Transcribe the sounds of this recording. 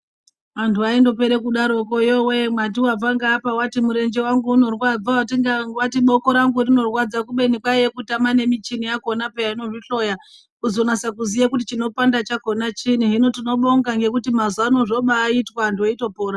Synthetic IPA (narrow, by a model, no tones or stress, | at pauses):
antʰuaindo̞pe̞ɾekuɗaɾo̞kojowe̞mwat̬iwab͡vaŋɡaːpawatimuɾe̞nd͡ʒe̞waŋɡuːno̞rwad͡zaatiŋɡawatiɓoko̞ɾaŋɡurino̞rwad͡zakuɓe̞nikwajekutamane̞mit͡ʃinijako̞napejaino̞ʐiɬo̞ja | kuzo̞nasakuzijakut̬it͡ʃino̞pandat͡ʃako̞nat͡ʃiniɦino̞tino̞ɓo̞ŋɡaŋɡe̞kutimazano̞ʐo̞ɓaːitwaːntʰuaito̞po̞ːɾa